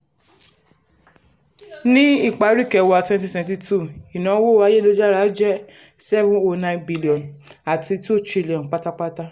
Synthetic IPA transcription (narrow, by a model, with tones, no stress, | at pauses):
nĩ˦i˦˨k͡pa˨˦ɾi˦˨kɛ˧wa˧˨twɛ̃˦nt̬ĩ˦sɛ̃˨ɛ̃˨˧ti˧tu˦˨i˨nã˨˦wo˦˨wa˨˦je˦˨lo˦d͡ʒa˦ɾa˨˦d͡ʒɛ˦ | sɛ˦vũ˦o˧nã˧˦nbi˦li˨ɔ̃˨na˨ti˧to˦˨t͡ʃɾi˦˨li˨ɔ̃˨n˨k͡pa˦ta˦k͡pa˦ta˦